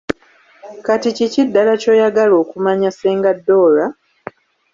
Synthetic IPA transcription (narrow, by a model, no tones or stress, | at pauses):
katicicidːalaco̞ːjaɡalo̞ːkumaɲaseːŋɡadːo̞ːla